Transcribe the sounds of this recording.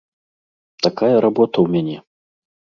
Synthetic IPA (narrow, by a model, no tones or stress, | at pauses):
t̪akajɐɾabɔt̪ɐwmʲanʲɛ